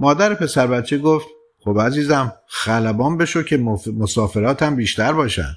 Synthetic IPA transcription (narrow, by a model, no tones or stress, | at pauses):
mɒːd̪æɾepʰe̞sæɾbæt̪t͡ʃʰːeɡoft̪ | χobæziːzæmxælæbɒːnbe̞ʃocʰe̞mosɒːfe̞ɾɒːt̪ʰæmbiːʃt̪æɾbɒːʃæ̰nd̪̥